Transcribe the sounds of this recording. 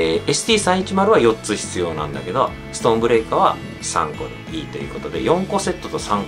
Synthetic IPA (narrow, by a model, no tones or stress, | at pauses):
esɨ̥t̪ʲiːsãɰ̃it͡ɕimaɾɯ̟βajo̞tt͡sɨçi̥t͡sɨjo̞ːnã̰nd̪a̰ke̞d̪o̞̰ | sɨ̥t̪õ̞ːmbɯ̟ɾe̞kaβ̞a̰ | sã̰ŋko̞̰ɾɯ̰iːt̪e̞jɯ̟̰ːkot̪o̞d̪e̞̰jõ̞ŋko̞se̞t̪ːo̞t̪o̞sãŋ